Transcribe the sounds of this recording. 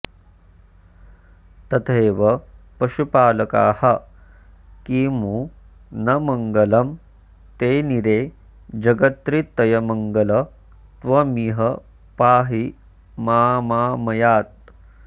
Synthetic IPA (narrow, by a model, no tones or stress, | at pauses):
t̪ɐt̪ʰeːʋɐpɐʃupaːlɐka̰ːhɐ | kiːmuː | nɐmɐŋɡɐlɐm | t̪eːniɾeː | d͡ʒɐɡɐt̪ɾit̪ːɐjɐmɐŋɡɐlɐ | t̪ʋɐmiɦɐ | paːɦi | maːmaːmɐjaːt̪̚